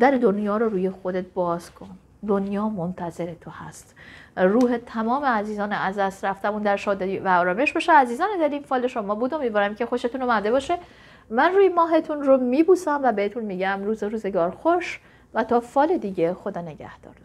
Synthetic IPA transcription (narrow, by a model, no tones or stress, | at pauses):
d̪æɾed̪o̞njɒːɾoɾuːjexo̞d̪et̪̚bɒːz̥kʰo̞n | d̪o̞njɒːmont̪ʰæze̞ɾet̪ʰohæst̪ruːɦet̪ʰæmɒːmeæziːzɒːneæzd̪æst̪ɾæft̪æbuːnd̪æɾʃɒːd̪evæɒːɾɒːme̞ʃbeʃeæziːzɒːned̪æɾiːmfɒːleʃomɒːbuːd̪omivɒːɾæmcʰe̞xo̞ʃe̞t̪ʰuːnomæd̪e̞bɒːʃe | mænruːjemɒːɦe̞t̪ʰunɾomiːbuːsæmvæbehet̪ʰunmiːɟæmruːzeɾuːze̞ɡɒːɾxoʃ | væt̪ʰɒːfɒːle̞d̪iːɟe̞xo̞d̪ɒːne̞ɟæ̰hd̪̥ɒ̰ːɾ